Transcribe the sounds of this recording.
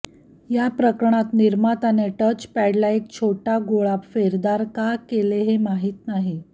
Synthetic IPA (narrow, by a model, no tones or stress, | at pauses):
japɾəkɾəɳ̃at̪niɾmat̪aneʈət͡ɕpæɽlaek̚t͡ɕʰoʈaɡoɭapfeɾd̪aɾkakeleɦemaɦiːt̪naɦi